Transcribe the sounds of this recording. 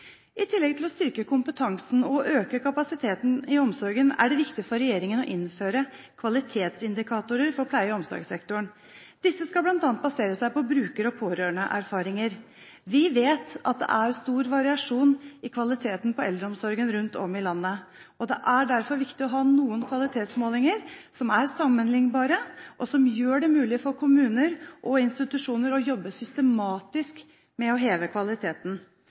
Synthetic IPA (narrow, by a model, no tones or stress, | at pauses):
ɪt̪ʰɪlːɛɡ̚t̪ʰɪlɔst̪ʏɾkəkʰʊmpət̪ʰɑŋsn̩ɔʔøːkəkʰɑpɑsɪt̪ʰeːt̪n̩ɪɔmsɔɾɡənæ̰ɖɛʋɪkt̪ɪfɔɾɛjeːɾɪŋənɔʔɪnføːɾəkʰʋɑlɪt̪ʰeːt̪sɪnd̪ɪkʰɑːt̪ʊɾəɾfɔɾpʰlæɪəɔmsɔ̰ɾɡsɛkt̪ʊɳ | d̪ɪsːəskɑlblɑnt̪ɑːnt̪bɑseːɾəsæɪpɔbɾʉːkəɾɔpʰoːɾøːəɳəʔæɾfɑːɾɪŋəɾ | ʋɪʋeːt̪ɑ̰t̪̚d̪ɛ̰ʔæɾst̪uːɾʋɑɾɪɑʂuːnɪkʰʋɑlɪt̪ʰeːt̪n̩pʰɔɛld̪ɾəɔmsɔɾɡənɾʉnt̪ʰɔ̰mɪlɑnːə | ɔd̪ɛ̰ʔæɖæɾfɔɾʋɪkt̪ɪɔɦɑːnuːənkʰʋɑlɪt̪ʰeːt̪smoːlɪŋəɾsɔmæɾsɑmːənlɪŋbɑːɾəʔɔsɔmjøːɖɛmʉːlɪfɔɾkʰʊmʉːnəɾʔɔɪnst̪ɪt̪ʉʂuːnəɾɔjɔbːəsʏst̪əmɑːt̪ɪsk | mɛɔɦeːʋəkʰʋɑlɪt̪ʰeːt̪n̩